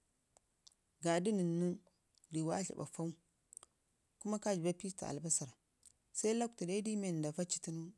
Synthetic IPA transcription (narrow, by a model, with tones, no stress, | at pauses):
ɡa˨di˦nə˨nːu˦ | di˨wa̰˦ɬa̰˨ba̰˨fa˦u˦ | ku˦ma˦ka˦d͡ʒi˨ba˦pi˦sta̰˨a̰˨lba˦sa˨ɾa˨ | sa˦i˦la˦k̚ta˨da˦i˦di˦me˨n˨da˨va˦t͡ʃi̥˦ti˦nu˦